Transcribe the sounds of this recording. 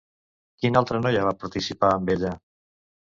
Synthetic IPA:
kinalˠt̪ɾənɔjaβapaɾt̪isipaːmbeʎə

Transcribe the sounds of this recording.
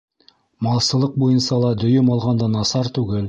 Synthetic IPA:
mɑlˠsəlˠəq̚bojənsɑlˠɑd̪ɵjɪmɑlˠʁɑnd̪ɑnɑsɑɾt̪ʰʉɡʲɪl

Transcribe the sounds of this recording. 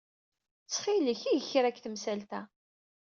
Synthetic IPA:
t͡sːχiləçijəçɾækːθəmsælt̪æ

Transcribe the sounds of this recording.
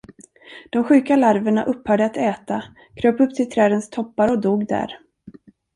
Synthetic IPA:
d̪̥ɔmɧʉ̟ːkalaɾvəɳaʔɵpːhœːɖəat̪ɛːt̪a | kʰɾøːpɵp̚ːt̪ʰɪlt̪ʰɾɛːd̪ənst̪ʰɔpːaɾɔd̪uːɡd̪æ̰ɾ

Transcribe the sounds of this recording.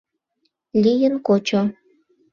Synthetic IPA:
lijənkot͡ɕo

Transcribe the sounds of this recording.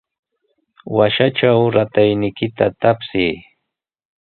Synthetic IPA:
waʃaʈ͡ʂawɾat̪ajnɪkɪt̪at̪apsiː

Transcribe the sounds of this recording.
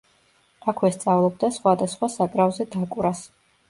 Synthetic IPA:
akʰwɛst̪sʼavlˠɔb̚d̪asχwad̪asχwasakʼɾavzɛd̪akʼuɾas

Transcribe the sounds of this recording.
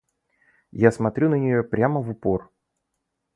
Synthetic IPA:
jasmɐt̪ɾʲunənʲɪjo̞pɾʲaməvʊpo̞r

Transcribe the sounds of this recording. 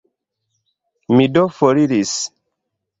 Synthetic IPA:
midofoɾiɾis

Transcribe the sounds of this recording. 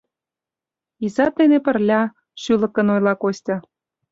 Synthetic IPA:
izɑt̪enepə̆rlʲɑ | ʃylə̆kə̆nojlɑkosʲtʲɑ

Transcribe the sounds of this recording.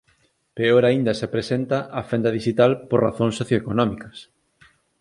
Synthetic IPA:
peoɾaind̪ɐsepɾesent̪ɐʔafend̪ɐðiʃit̪alporaθõŋsːoθjoekonɔmikɐs

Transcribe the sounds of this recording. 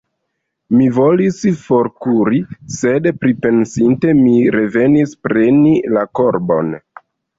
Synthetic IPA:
mivo̞lisfo̞ɾkuɾise̞dpɾipe̞nsinte̞miɾe̞ve̞nispɾe̞nilako̞ɾbo̞̰n

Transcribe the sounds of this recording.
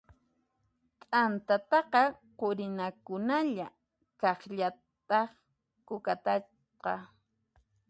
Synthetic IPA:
t̪ʼant̪at̪ɑqɑqoɾɪnakʊnaʎa | kɑχʎa | t̪ɑχ | kʊkat̪at͡ʃ | qɑ

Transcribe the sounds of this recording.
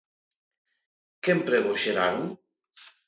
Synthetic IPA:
kempɾeβoʃeɾaɾuŋ

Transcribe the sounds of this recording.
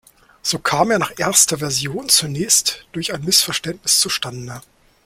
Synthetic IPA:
z̥oːkʰaːmeːɐnaːχʔeːɐstɐvɛɐzjoːnt͡sunɛːçstd̥ʊɐçaɪnmɪsfɛɐʃtɛntnɪst͡suʃtandə

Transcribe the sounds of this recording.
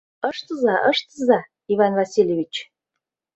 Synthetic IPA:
ə̆ʃt̪əzɑʔəʃt̪əzɑ | ivɑnvɑsʲilʲjevʲit͡ɕ

